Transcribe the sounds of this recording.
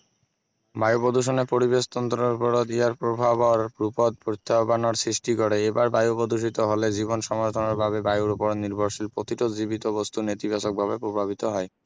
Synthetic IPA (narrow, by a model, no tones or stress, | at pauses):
bajopod̪uʃ̬onepoɾibeʃt̪ɔnt̪ɾoɾpoɾod̪iaɾpɾobʱabaɾɾupod̪̚pɾot̪ʰːabanoɾsɾiʃʈikoɾeebaɾbajupod̪uʃ̬it̪oɦoled͡ʑibonʃɔmoɾt̪ʰoneɾbʱabebajuɾpoɾoniɾbʱoɾʃilpɾot̪iʈod͡ʑibit̪obost̪unet̪ibaʃok̚bʱabepɾobʱabit̪oɦɔe